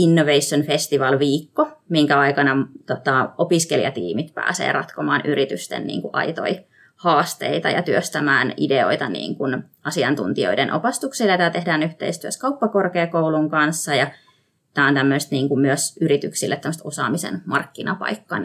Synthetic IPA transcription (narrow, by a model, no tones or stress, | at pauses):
inːoʋeisːonfest̪iʋɑlʋiːkːomiŋkæɑikɑnɑt̪ot̪ɑopiskeliɑ̰t̪ḭːmit̪pæ̰ːsḛːrɑt̪komɑːnʔyɾit̪yst̪ḛnnḭːŋkuʔɑ̰it̪o̰i | hɑːst̪ḛit̪ɑ̰jɑ̰t̪yøst̪æmæːnḭdeo̰it̪ɑnḭːŋkun | ɑsiɑnt̪ṵnt̪io̰idenʔo̰pɑst̪ukseljɑt̪æt̪ehdæːnyht̪ḛist̪yæskɑupːɑkorkeːkouluŋkɑnsːɑjɑ | t̪æːont̪æmːøst̪niːŋkummyøsyrit̪yksilːet̪ːæmːst̪osɑ̰ːmisḛnmɑrkːinɑpɑ̰ikːɑ̰n